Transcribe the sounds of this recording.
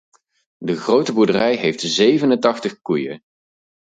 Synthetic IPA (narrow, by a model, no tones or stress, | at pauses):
dəχrowtəbuɹdərɛjɦejftzejvənəntɑχtəχkujə̰